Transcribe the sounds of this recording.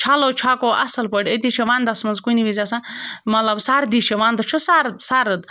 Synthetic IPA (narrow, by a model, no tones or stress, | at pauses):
t͡ʃʰalot͡ʃʰaːkoʔɐ̰sɐlpɐɽed̪it͡ʃʰeʋaːnd̪ɐsmɐnzkuniʋizʲasamɐlɐbsaːɾd̪it͡ʃʰeʋaːnd̪ɨt͡ʃʰusaɾd̪saːɾɨd̪